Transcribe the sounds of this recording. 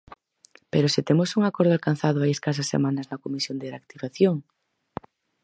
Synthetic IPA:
peɾosɪt̪emosuŋakɔɾðoalkan̟θaðʊaeskas̬asḛmanɐznɐkomisjond̪eɾakt̪iβaθjoŋ

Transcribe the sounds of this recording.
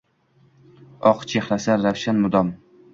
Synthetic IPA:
ɒqt͡ʃʰeχɾasaːawʃanmʊd̪ɒm

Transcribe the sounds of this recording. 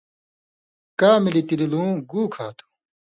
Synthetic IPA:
kaːmilit̪ililũːɡuːkʰaːt̪ʰu̥

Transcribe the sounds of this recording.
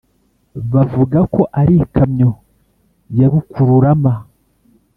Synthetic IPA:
βavuɡako̞ʔaɾikʰamɲo̞ | jaβukuɾuɾama

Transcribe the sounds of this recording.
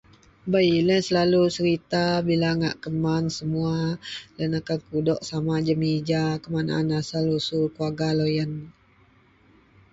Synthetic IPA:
bailənsəlalusəɾit̪abilaŋa̰ʔkəmansəmualənakankudɔʔsamad͡ʒəmid͡ʒakəmana̰nasalusukuaɡalojan

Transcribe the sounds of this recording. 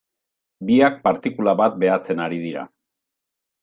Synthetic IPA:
biak̚paɾt̪ikulaβat̪̚be̞at͡se̞naɾið̞iɾa̰

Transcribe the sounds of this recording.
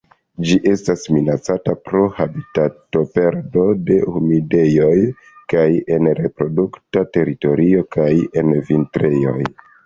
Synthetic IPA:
d͡ʒiʔe̞stasminat͡satapɾo̞habitato̞pe̞ɾdo̞de̞humide̞jo̞j | kaje̞nɾe̞pɾo̞duktate̞ɾito̞ɾio̞kaje̞nvintɾe̞jo̞̰j

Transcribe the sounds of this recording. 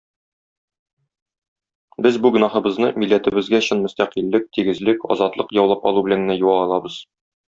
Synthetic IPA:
bɘzbuɡɵ̆nɑχɤ̆bɤ̆znɤmilːæt̪ɘ̆bɘ̆zɡæ̆ɕɤnmɵ̆st̪æqilːɘk̚t̪iɡɘ̆zlɘkɒ̰zɑt̪lˠɤqjɒwlˠɑpɒ̰lˠubɘ̆læŋnæjuwɑːlˠɑbɤz̥

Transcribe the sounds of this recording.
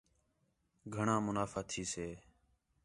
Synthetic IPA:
ɡʱəɳãːmʊnaːfaːt̪ʰiːseː

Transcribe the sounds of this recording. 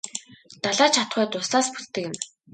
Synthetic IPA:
t̪aɮaːt͡ɕʰat̪χœːt̪ʊsaːspu̥t̪ːɘ̆kɪ̆m

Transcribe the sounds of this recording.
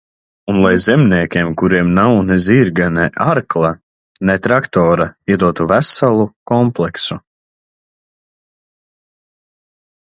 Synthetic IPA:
unlˠajzɛmnʲiɛkʲiɛmkuɾiɛmnawneziːɾɡanɛʔaɾklˠa | nɛt̪ɾakt̪ɔːɾaiɛd̪uɔt̪uvæsalˠukɔmplˠɛksu

